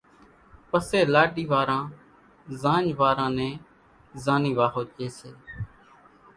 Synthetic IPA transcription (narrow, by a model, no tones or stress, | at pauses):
pəseːlaːɖiːʋaːɾãː | zãːɲʋaːɾãːnẽː | zaːniːʋaːɦoːd͡ʒeːseː